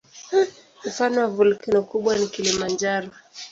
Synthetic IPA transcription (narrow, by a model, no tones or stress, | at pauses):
m̩fanɔwavulkɛnɔkuɓwanikilimand͡ʒaɾɔ